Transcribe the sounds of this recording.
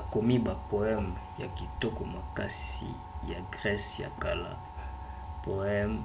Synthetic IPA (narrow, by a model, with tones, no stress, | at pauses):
a˨ko˨mi˦ba˨po˨ɛ˦mja̰˨ki˨tɔ˦ko˨ma˨ka˦sḭ˨ | ja˨ɡʁɛ˦sja̰˨ka˨la̰˦ | po˨ɛ˦m